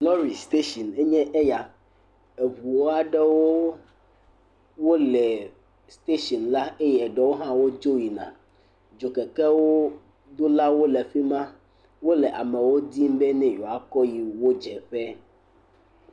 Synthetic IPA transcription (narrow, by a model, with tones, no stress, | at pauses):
lɔ̃˦ɾi˨st̪e˦ʃɔ˨ne˦ɲɛ̃˦ʔe˦ja˨ | e˨βu˨wo˦a˨ɖɛ˦wo˦ | wo˦lɛ˨ | st̪e˦ʃɔ˨nla˦e˦jɛ˨ɖɛ˦wo˦ɦã˦wo˦d͡ʒo˦ji˨nã̰˨ | d͡ʒo˨kɛ˨kɛ˦wo˦ | d̪o˦la˦wo˦lɛ˨ɸi˦mã˦ | wo˦lɛ˨ʔa̰˨mɛ̃˨wo˦d̪i˦m˦bɛ˦nɛ̃˦jo˨a˨kɔ˦ji˨wo˦d͡ʒɛ˨ɸɛ˦